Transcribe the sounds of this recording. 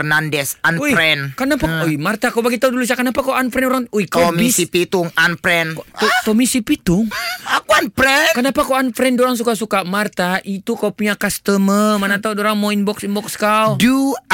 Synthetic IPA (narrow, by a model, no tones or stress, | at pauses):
nandɛsanuɾɛnkənapaujmart̪akawbaɡit̪audulus̬akənapakawanpɾɛnuɾaŋujkamisipit̪uŋanpɾɛnot̪omisipit̪ʊŋakuanpɾɛnkənapakawanfɾɛndoɾaŋs̬ukasukamart̪aʔit̪ukawpuɲakast̪əmərmanat̪audoɾaŋmoinbɔksinbɔkskawdu